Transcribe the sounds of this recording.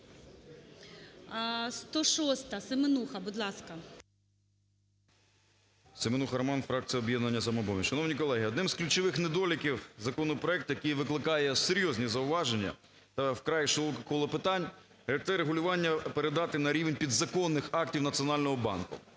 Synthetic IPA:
st̪ɔʃɔst̪ɐsemenuxɐbud̪lˠɑskɐ | semenuxɐɾɐmɑnfɾɑk̚tt͡sʲijɔbʲjɛd̪nɐnʲːɐsɐmɔbɔmʲiʃɐnɔwnʲikɔlˠɛɦiɔd̪nɪmzklʲut͡ʃɪʋɪxned̪ɔlʲɪkʲiwzɐkɔnɔpɾɔɛk̚t̪ʊjɐkijʋɪklˠɪkɑjɛseɾʲjɔzʲnʲizɐʊʋɑʒenʲːɐ̰ | t̪ɐwkɾɑjiʃɔlˠɔkɐkɔlˠɔpɪt̪ɑnʲ | ɾɛɐk̚t̪ɛɾeɦʊlʲʊʋɑnʲːɐpeɾed̪ɑt̪ɪnɐɾʲiʋenʲpʲid̪zɐkɔnːɪxɑk̚tʲiwnɐt͡sʲijɔnɑlʲnɔɦɔbɑ̰nkʊ̰

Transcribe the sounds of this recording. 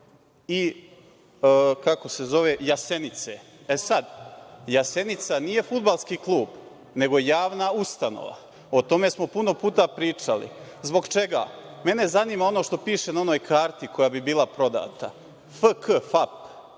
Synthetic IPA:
i | kako̞se̞zo̞ʋe̞jase̞nit̪se | esad̪jase̞nit̪sanije̞fud̪̚balˠskiːklˠuːb | ne̞ɡoejaːʋnaust̪ano̰ʋa̰ | ot̪o̞me̞smo̞puno̞puːt̪apɾiːt͡ʂalḭzbo̞ɡt͡ʃe̞ɡa̰ːme̞ne̞zanimao̞noʃt̪o̞piːʃenao̞no̞ːjkʰaːɾt̪iko̞jabibiːlˠapɾo̞d̪a̰ːt̪a | fəkʰəfap

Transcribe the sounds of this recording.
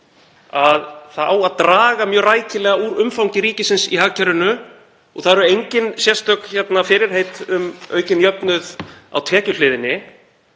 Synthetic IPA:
aðθaðaːwaðt̪ɾaːɣamjœːɣraːjcɪlɛːɣauːɾʏmfawŋɲcɪɾiːcɪsɪnsḭɦaːɣcʰaɾʏnʏ | ɔɣθaðɛɾʏejɲcɪnsjɛst̪œkçɛt̪nafɪːɾɪɾ̥ɦejt̪ʏmœ̰ːɥcɪnjœpnʏða̰wt̪ʰɛːcʏlɪːðɪnːɪ

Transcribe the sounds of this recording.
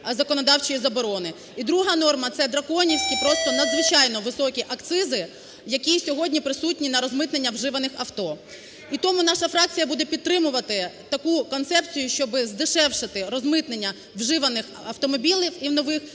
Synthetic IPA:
zɐkɔnɔd̪ɑwt͡ʃɪjizɐbɔɾɔnɪ | id̪ɾuɦɐnɔrmɐt̪sɛd̪ɾɐkɔnʲiwsʲkʲipɾɔst̪ɔnɐd̪zʋɪt͡ʃɑjnɔʋɪsɔkʲiʔɐkt̪sɪzɪ | jɐkʲisʲɔɦɔdʲnʲipɾɪsutʲnʲinɐɾɔzmɪt̪nenʲːɐwʒɪʋɐnɪxɐwt̪ɔ | it̪ɔmʊnɑʃɐfɾɑk̚t͡sʲijɐbud̪ɛpʲid̪̚t̪ːɾɪmʊʋɐt̪ɪt̪ɐkukɔnt̪sɛpt͡sʲijʊʃt͡ʃɔbɪzd̪ɪʃɛwʃɪt̪ɪɾɔzmɪt̪nenʲːɐ | wʒɪʋɐnɪx | ɐwt̪ɔmɔbʲilʲiwiwnɔʋɪx

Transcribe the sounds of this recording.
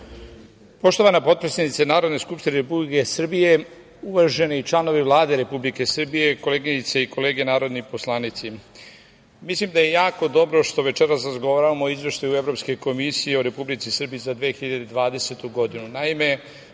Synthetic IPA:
po̞ʃt̪o̞ʋanapo̞t̪̚pɾesenit̪senaːɾod̪ne̞skupʃt̪ineɾepublikesr̩bije̞ | uʋaʒe̞niit͡ʃlˠano̞ʋiʋlˠaːd̪e̞ɾe̞publike̞sr̩bije̞ko̞leːɡinit̪seiko̞le̞ːɡe̞naːɾo̞d̪niposlˠaːnit̪si | mislimd̪aje̞jaːko̞d̪o̞bɾo̞ʃt̪o̞ʋe̞t͡ʃeɾasɾazɡoʋaːɾaʋamooizʋe̞ʃt̪ajue̞vɾo̞pske̞ko̞misijeoɾe̞publit̪sisr̩bijizad̪ʋeːxiʎad̪e̞d̪ʋaːd̪e̞se̞t̪uɡo̞d̪inunaime̞

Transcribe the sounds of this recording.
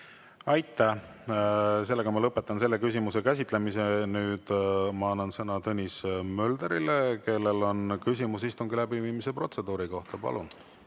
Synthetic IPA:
ɑjt̪ːˑæh | se̞lːe̞ɡɑmɑlɤpːe̞t̪ːˑɑnse̞lːe̞kysʲimuse̞kæs̬ʲit̪ˑlemise̞nyːd̪̥mɑɑnːɑnsɤnɑt̪ɤnʲismø̞ld̪̥eɾileke̞lːe̞lo̞nkys̬ʲimusist̪uŋɡilæbiviːmise̞pro̞t̪se̞d̪uːɾiko̞ht̪ɑpɑ̰lʔun

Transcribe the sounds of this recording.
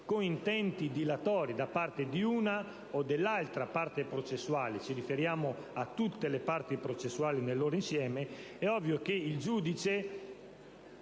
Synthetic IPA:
koŋint̪ɛnt̪id̪ilat̪ɔːɾid̪apːart̪ed̪iuːna | od̪elːalt̪ɾapart̪epɾot͡ʃesːwaːlet͡ʃirifeɾjaːmo | at̪ːut̪ːelepart̪ipɾot͡ʃesːuaːlinelːoːɾoinsjɛːmeɛɔvːjokeild͡ʒuːd̪it͡ʃe

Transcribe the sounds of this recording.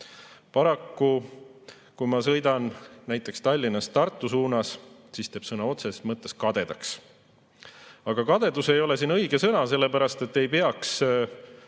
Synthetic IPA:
pɑɾɑkːu | kujmɑsɤ̞jd̪ɑnnæjt̪ːˑe̞kst̪ɑlʲːinɑst̪ɑrt̪ːˑusuːnɑssiːst̪eːb̥sɤnɑo̞t̪se̞smɤt̪ːˑe̞skɑd̪̥e̞d̪ɑks | ɑɡ̥ɑkɑd̪̥e̞d̪use̞jo̞le̞siːnɤjɡ̥e̞sɤnɑse̞lːe̞pæɾɑst̪e̞t̪ːe̞jpe̞ɑks

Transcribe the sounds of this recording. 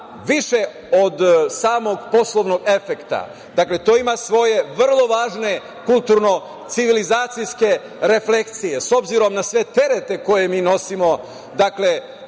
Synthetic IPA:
ʋiʃe̞ | o̞d̪saːmo̞ɡpo̞slˠoʋno̞ɡe̞fe̞kt̪a̰ | d̪akle̞t̪o̞ːimasʋo̞je̞ʋr̩lˠo̞ʋaːʒne̞ | kulˠt̪uɾno̞ | t̪siʋilizaːt̪sijske̞ | ɾe̞fle̞kt̪sije̞so̞bziɾo̞mnasʋe̞t̪e̞ɾe̞t̪e̞ko̞je̞miːno̞simo̞ | d̪akle̞

